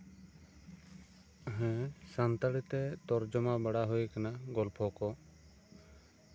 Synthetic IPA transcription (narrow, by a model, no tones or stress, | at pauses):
ɦɛ̃sant̪aɽit̪ɛt̪ɔɾd͡ʒɔmabaɽaɦujkanaɡɔlpʰɔkɔ